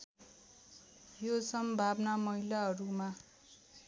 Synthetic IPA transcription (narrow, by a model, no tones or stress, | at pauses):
josʌmbʱabnamʌɦilaɦʌɾuma